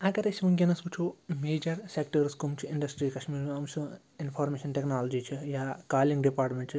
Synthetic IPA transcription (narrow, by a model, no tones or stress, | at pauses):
ɐkɐɾɐʃimɐŋɡʲɐnɐskut͡ʃʰumeːd͡ʒɐɾsekʈɐɾskumt͡ʃʰuiɳɖɐsʈɾiːkɐʃmiːɾmiɐmsʰu | infʰaːɾmeːʃɐnʈeknaːlɐd͡ʒit͡ʃʰijaːkaːliŋɡɖipaːɾʈmeɳʈt͡ʃ